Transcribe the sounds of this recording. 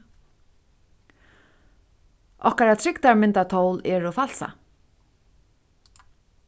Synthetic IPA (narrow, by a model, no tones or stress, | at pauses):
ʔɔ̰hkaɾat̪ʰɾɪkt̪aɹmɪnt̪at̪ʰowlɛːɾofalsa̰